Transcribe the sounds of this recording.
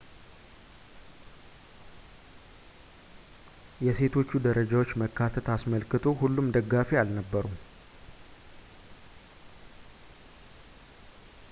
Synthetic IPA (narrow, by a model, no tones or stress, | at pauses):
jɛse̞t̪ʰo̞t͡ʃːud̪əɾəd͡ʒawo̞t͡ʃːməkʰːat̪ʰət̪asməlkɨt̪ʰo̞hulːumd̪əɡːafialnəbːəɾum